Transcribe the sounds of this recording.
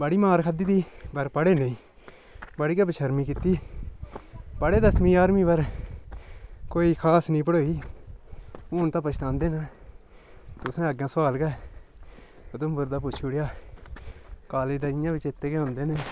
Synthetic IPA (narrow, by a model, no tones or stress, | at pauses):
bəɽiːmaːɾkʰəd̪iːd̪iːbəɾpəɽeːneĩː | bəɽiːkəːbəʃʰəɾmiːkɪt̪iː | pəɽeːd̪əsmĩːaːɾmĩːbəɾ | koːiːkʰaːsnĩːpəɽoːiː | ʊːnt̪ãːpət͡ʃʰt̪ãːnd̪eːnaː | t̪ʊsẽːəɡãːsaːlɡɛː | ət̪ʊmbʊɾd̪aːpʊt͡ʃʰuːɽjaː | kaːleːd̪aːɪjãːʋɪt͡ʃɪt̪ːeːkeʊ̃nd̪eːnẽː